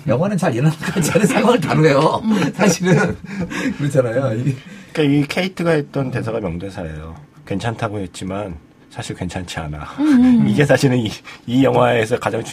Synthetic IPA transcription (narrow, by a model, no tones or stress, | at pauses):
jʌŋwanɯnt͡ɕaɾenaaɭk͈at͡ɕanɯnsʰaŋwaŋɯɭtanoejosʰaɕʰiɾɯnkɯɾʌt͡ɕʰanajoik͈aiikʰe̞itʰɯɡaɦet̚t͈ʌnte̞s̬ʰaɡamjʌŋdwe̞nsʰaejo | kwe̞nt͡ɕʰantʰaɡoɦet̚t͡ɕ͈iman | sʰaɕʰiɭkwe̞nt͡ɕʰant͡ɕʰia̰na̰iɡe̞s̬ʰaɕʰiɾɯniijʌŋɦwae̞s̬ʰʌkad͡ʑaŋt͡ɕu